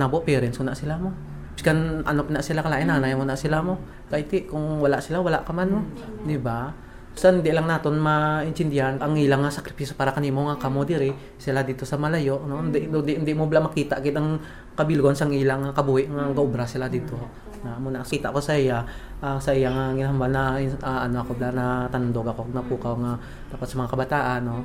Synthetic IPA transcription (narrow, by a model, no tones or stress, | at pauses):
naboʔpɛɾɛnsʊnaʔsɪlamo | pɪ̥skanʔɐ̰nop̚naʔsɪlakɐlaːʔɪnaːnajmonaʔsɪlamo̞ | kajt̪ɪʔkʊŋwɐlaʔsɪlawɐlaʔkɐmanmod̪ɪba | sanhɪnd̪ɪʔlaŋnaːt̪o̞nmɐɪnt̪ɪnd̪ɪɦanɐŋʔiːlaŋːasɐkɾɪpiːsopaːɾɐkɐnimoŋakamod̪ɛɾɪ | sɪlad̪iːt̪o̞sɐmɐlɐjo̞ʔnoɪnd̪ɛʔ̪nd̪ɪʔɪnd̪ɪmoblaʔmɐkiːt̪aʔɡɪt̪ɐŋ | kɐbilɡonsɐŋʔiːlaŋakɐbuːhɪʔŋaŋɡaʔobɾasɪlad̪iːt̪o̞ | ŋamonɐakiːt̪aʔko̞sɐʔijaʔasɐʔɪjaŋaŋɡɪnaɦambalnɐaʔɐnoɐkoblaʔnɐt̪anʊnd̪oɡɐkonɐpuːkawŋa | t̪aːpat̪sɐmɐŋakɐbɐt̪aːʔanːo